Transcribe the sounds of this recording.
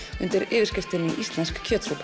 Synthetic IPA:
ʏ̰nt̪ɪɾɪːvɪɾ̥scɪft̪ɪniʔist̪lɛnskkʰœːt̪supʰ

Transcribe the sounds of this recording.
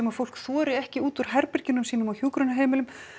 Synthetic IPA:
ɛmaɾfowl̥kθɔːɾɪɛhcɪuːt̪uɾ̥ɦɛɾpɛɾ̥cɪnʏmsiːnʏmawçjuːkɾœnaɦeːjmɪlʏm

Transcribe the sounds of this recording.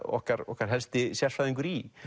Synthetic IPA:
ɔ̰hkaɾɔ̰hkaɾɦɛlst̪ɪsjɛlfaðɪnɡuɾi

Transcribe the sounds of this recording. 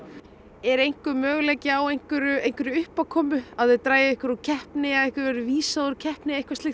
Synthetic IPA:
ɛɾejŋ̥kʏmœːɣlɛcɪawejŋ̥kʏɾʏejn̥kvʏɾʏʏhpakʰɔːmʏaðvɪt̪ɾaːjaɪhkʏɾucʰɛhpnɪaehkʏɾvɛɾʏviːsaðʏɾcʰɛhpnɪejhkvast̪ɪx

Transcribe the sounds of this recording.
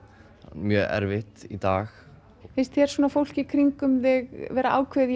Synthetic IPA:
hanmjœːɛ̰ɾvɪht̪it̪aːx | θɪst̪çɛɾ̥sɔːnafowl̥cɪkʰɾiŋkʏmðɪɣvɛːɾaʔa̰ːwkʰveði

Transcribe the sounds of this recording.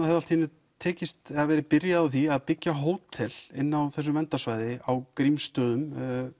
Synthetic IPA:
θɛt̪ːalt̪ʰiːnʏ | t̪ʰɛːcɪst̪ɛðavɛːɾɪpɪɾjaðaθiaðpɪcjaɦoːwt̪ʰːɪlɪnːawθɛs̬ʏmɛnt̪asvaːjðɪawkɾimst̪œːðʏm

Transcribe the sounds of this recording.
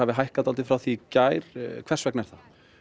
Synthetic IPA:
avɪɦajhkat̪alt̪ɪfɾawθicaːjɾ̥kʰvɛrsvɛknɛɾ̥θa

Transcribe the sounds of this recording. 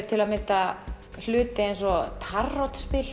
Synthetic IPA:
t̪ʰɪlaðmɪt̪a | l̥ʏːt̪ɪejnsɔt̪ʰarːɔt̪spɪl

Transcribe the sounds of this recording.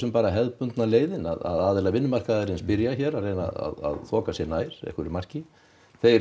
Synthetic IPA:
ʏmpaːɾaɦɛðpʏnt̪naleːjðɪnaða̰ðaːðɛlavɪnːʏmar̥kaðaɾɪnspɪɾjaçɛɾarejna̰a̰ða̰ðθʰɔːkasjɛnaːjɾ̥ɛ̰hkʏɾɪɾmar̥cɪ | θej

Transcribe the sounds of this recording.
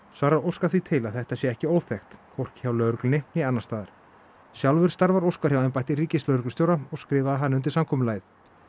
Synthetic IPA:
svaːɾaowskaθvit̪ʰɪlaðθɛht̪asjɛɛhcɪoːwθɛxt̪kʰvɔr̥cçawlœɥɾʏklnɪnɛanːast̪aːðaɾ̥ | sjawlvʏɾ̥st̪aɾvaɾowskaɾ̥jawɛnpajht̪ɪriːcɪslœːɾʏklʏst̪jowɾaɔɣskɾɪːvaðɦanːɪʏnt̪̬ɪ̥samkʰɔːmʏlaːjθ

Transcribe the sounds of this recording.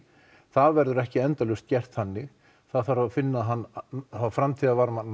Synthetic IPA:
θaðvɛɾðʏɾɛhcɪɛnt̪alʏst̪̚cɛr̥t̪hanːɪɣ | θaðθaɾafɪnːaɦanːθafɾamt̪ʰiːðavaɾmanː

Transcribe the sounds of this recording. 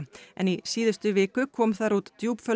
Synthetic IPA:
ɛ̰nisiːðʏst̪ʏvɪːkʏkʰɔːmθaɾut̪ːjuːpfœ

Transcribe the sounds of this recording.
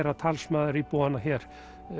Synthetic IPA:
ɾat̪ʰalsmaːðɪɾipoːanaçɛɾ̥

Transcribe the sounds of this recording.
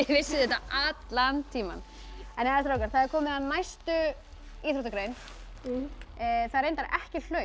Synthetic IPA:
vɪsːɪðɛt̪aʔat̪lant̪ʰiːma̰n | ɛnaɛst̪ɾaowkaɾ̥θaðɛɾkʰɔːmɪðanajst̪ʏ | iːθɾoht̪akɾejn | θaðɾejnaɾʔɛhcɪl̥œ

